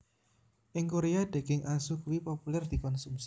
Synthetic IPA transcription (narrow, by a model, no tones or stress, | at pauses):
ʔɪŋkoɾead̪̥e̤ɡ̥ɪŋʔasʊk̚wipopulɛrd̪̥i̤kɔnsumsi̥